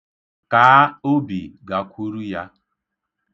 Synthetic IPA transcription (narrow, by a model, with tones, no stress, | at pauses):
kaː˨˦o˦bḭ˨ɡa˨kʷu˦ɾu˦ja˦